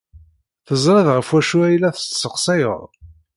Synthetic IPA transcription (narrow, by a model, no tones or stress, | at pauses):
θəzˤɾɑðʁəfwæʃuæjlæθə̥st̪səqsˤæjə̰ðˤ